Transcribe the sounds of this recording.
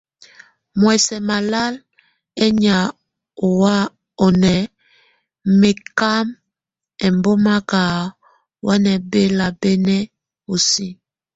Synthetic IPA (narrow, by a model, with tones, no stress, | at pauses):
mwɛ˨sɛ˨ma˨la˦l | ɛ˦ɲa˨ | o˨wa˦ | o˨nɛ˨ | me˨ka˦m | ɛ˨mbo˦ma˦ka˨ | wa˦nɛ˨be˦la˨bɛ˦nɛ˦ | o˨si˦